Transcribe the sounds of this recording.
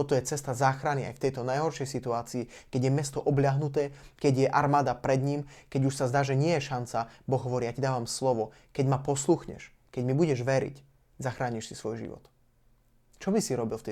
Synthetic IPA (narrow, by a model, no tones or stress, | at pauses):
t̪ɔt̪ɔjɛt͡sɛst̪azaːxɾania̰jft̪ɛjt̪ɔnajɦɔɾʃɪɛjsit̪uaːt͡siːkɛɟjɛmɛst̪ɔʔɔblʎɪaɦnut̪ɛːkɛɟjɛʔaɾmaːd̪apɾɛd̪ɲiːmkɛɟuʃsazd̪aːʒɛɲɪɛjɛʃant͡sabɔɣɦɔʋɔɾiːjacid̪aːʋamslɔʋɔ | kɛɟmapɔsluxɲɛ̰ʃ | kɛɟmibuɟɛʒʋɛɾḭc | zaxɾaːɲiʃsisʋɔjʒḭʋɔ̰t̪ | t͡ʃɔbisiɾɔbilˠft̪ɛ